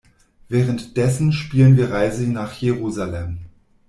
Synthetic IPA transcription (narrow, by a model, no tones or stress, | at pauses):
vɛːʁəntd̥ɛsn̩ʃpiːlənviːɐʁaɪzənaːχjeʁuːzalɛm